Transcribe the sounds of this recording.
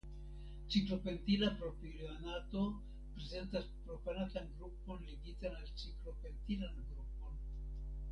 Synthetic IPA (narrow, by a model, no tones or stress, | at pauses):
t͡siklo̞pe̞ntilapɾo̞pilianato̞ | pɾe̞ze̞ntaspɾo̞panatanɡɾupo̞nliɡitanalt͡siklo̞pe̞ntilanɡɾup̚o̞n